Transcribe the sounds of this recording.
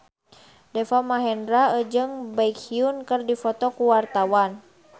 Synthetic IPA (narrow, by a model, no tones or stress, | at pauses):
dɛfamaɦɛndɾaəd͡ʒɨŋbaikhiunkɨrdifɔt̪ɔkuwart̪awan